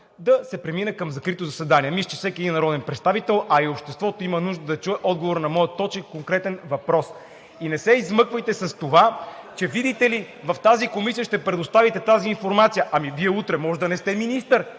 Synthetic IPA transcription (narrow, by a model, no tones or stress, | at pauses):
d̪ɐsɛpɾɛminɛkɐmzɐkɾit̪ozɐsɛd̪aniɛmiʃt͡ʃ̪ɛfsɛkʲiɛd̪inːɐɾɔd̪ɛnpɾɛt̪st̪avit̪ɛlˠɐiopʃt̪ɛst̪vɔt̪oimənuʒd̪əd̪ɐt͡ʃuɛʔɔd̪̚ɡovoɾnɐmɔjət̪ːɔt͡ʃɛkkoŋkɾɛt̪ɛnvɐpɾɔs | inɛsɛizmɤkvəjt̪ɛsɐst̪ovat͡ʃɛvid̪it̪ɛli | vɐft̪azikomisijəʃt̪ɛpɾɛd̪ost̪avit̪ɛt̪aziːnfoɾmat̪sijəʔɐmiviɛut̪ɾɛmɔʒɛd̪ɐnɛst̪ɛminist̪əɾ